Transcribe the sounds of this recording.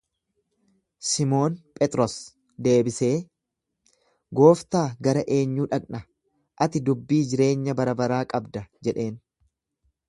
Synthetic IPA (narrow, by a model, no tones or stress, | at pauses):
sɪmo̞ːnpʼɛt̪ʼɾɔs | d̪e̞ːbɪse̞ː | ɡo̞ːft̪aːɡɐɾɐʔe̞ːɲːuːᶑɐkʼnɐ | ʔɐt̪ɪd̪ʊbːiːd͡ʒɪɾe̞ːɲːɐbɐɾɐbɐɾaːkʼɐbd̪ɐd͡ʒɛᶑe̞ːn